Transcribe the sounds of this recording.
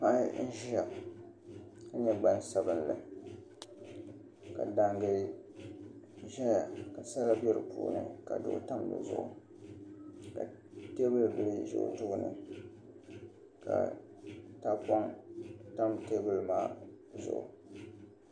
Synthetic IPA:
ma˦n̩˦ʒa˨b | ka˨ɲɛ˦ɡ͡ba˦n˦sa˦bɨ˦nlɨ̰˨ | ka˨da˨ŋɡɨ˨ | ʒɛ˦ja˨ka˨sa˦la˦bɛ˦ɾɨ̰˨pṵː˨nɨ̰˨ka̰˨dʊ˦ʔʊ̰˦ta˦mlɨ̰˨zʊ̰˨ʔʊ̰˨ | ka˨ | te˦bɨ˦lbɨ˨lɨ˦ʒʊ̰˦ʔtʊ˦ʔʊ˦nɨ̰˨ | ka̰˨ | ta˦pɔ˦ŋta˦mte˦bɨ˦lmaː˦ | zʊ̰˦ʔʊ̰˨

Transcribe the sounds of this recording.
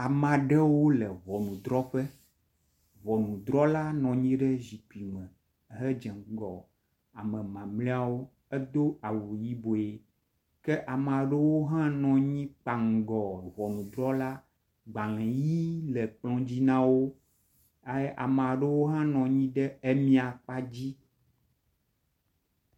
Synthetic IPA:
a˨m˨ã˨ɖɛ˦wo˦lɛ˨βɔ˨nũ˨d̪ɾɔ˦ɸɛ˦ | βɔ˨nũ˨d̪ɾɔ˦la˦nɔ̃˨ɲĩ˦ɖɛ˦zi˨k͡pi˨mɛ̃˨ | ɦɛ˦d͡ʒɛ˨ŋɡɔ˨ | a˨mɛ̃˨mã˨mlĩ˦a˦wo˦ | ɛ˦d̪o˦a˨wu˨ji˦bo˨e˨ | kɛ˦ʔa˨m˨a˨ɖə˦wo˦ɦã˦nɔ̃˨ɲĩ˦k͡pa˨ŋ̩˨ɡɔ˨vɔ˨nũ˨d̪ɾɔ˦la˦ | ɡ͡bã˨lɛ̃˨ji˦lɛ˨k͡plɔ̃˦d͡ʑi˦nã˦wo˦ | a˦jʔa˨m˨a˨ɖe˦wo˦ɦã˦nɔ̃˨ɲĩ˦ɖɛ˦ɛ˦mĩ˦a˨k͡pa˦d͡ʑi˦

